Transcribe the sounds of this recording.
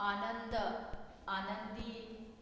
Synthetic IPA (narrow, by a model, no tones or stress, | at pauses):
aːnɐnd̪ɐ | aːnɐnd̪iː